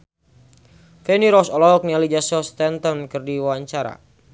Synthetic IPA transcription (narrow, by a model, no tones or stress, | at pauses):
fɛniɾɔsɔlɔɔk̚nialid͡ʒasɔst̪ɛnt̪ənkərdiwawaɲt͡ʃaɾa̰